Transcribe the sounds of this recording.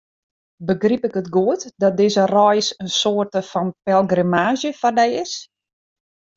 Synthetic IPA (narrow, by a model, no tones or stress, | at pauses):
bəɡripɪkətɡuətdɔt̚dɪzərɔjsənsoərtəfɔnpɛlˠɡrimaːzjəfɔrdɛjɪs